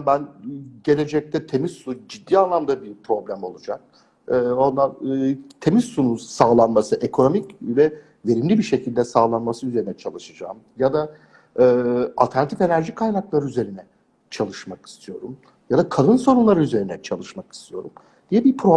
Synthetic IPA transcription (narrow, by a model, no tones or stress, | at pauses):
bænɟe̞lʲe̞d͡ʒɛc̚t̪ʰɛt̪ʰe̞mizsud͡ʒid̪ːiːanlˠamd̪abiɾpʰɾo̞blʲæmo̞lˠud͡ʒa̰k̚ | ɯːo̞nd̪anːt̪ʰe̞mizsununsaːlˠanmasɯʔe̞kʰo̞no̞micvɛ | ve̞ɾimlʲibiɾʃe̞cʰilʲd̪ɛsaːlˠanmasɯyze̞ɾinɛt͡ʃʰalˠɯʃad͡ʒa̰ːm | jad̪a | ɯːa̰lʲt̪ʰæɾnat̪ʰife̞næɾʒikʰajnaklˠaɾɯyze̞ɾinɛ | t͡ʃʰalˠɯʃmaki̥st̪ʰijo̞ɾum | jad̪akʰad̪ɯnso̞nunlˠaɾɯyze̞ɾinɛt͡ʃʰalˠɯʃmaki̥st̪ʰijo̞ɾum | d̪̥ijɛbiɾpʰɾo